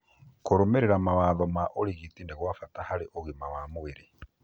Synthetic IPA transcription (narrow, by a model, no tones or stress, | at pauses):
kuɾumeɾeɾamaβaːðomaʔoliɣitindeɣwafatahaɾiʔoɣimawamuβiɾi